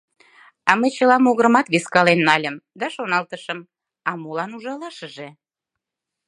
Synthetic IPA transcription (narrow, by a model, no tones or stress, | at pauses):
ɑməjt͡ɕəlɑmoɣəɾəmɑt̪βeskɑlenːɑlʲəmd̪ɑʃonɑlt̪əʃəm | ɑmolɑnuʒɑlɑʃəʒe